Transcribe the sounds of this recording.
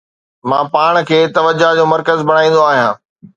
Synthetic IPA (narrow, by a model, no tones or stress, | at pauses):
mãːpaːɽ̃̆kʰeːt̪ɐʋəd͡ʑad͡ʑõːmɐɾkəzbʱɐɽ̃aːĩːnd̪oaːɦijãː